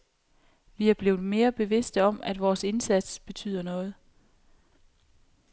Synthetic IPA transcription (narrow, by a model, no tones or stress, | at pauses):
ʋiæɐb̥le̝ːʊð̩ˠme̝ːɐb̥e̝ʋe̝sd̥əɒ̽m̰æd̥ʋɒːse̝nsæd̥sb̥e̝t͡sʰy̰ð̰ˠɐnɔ̽ːð̞̩ˠ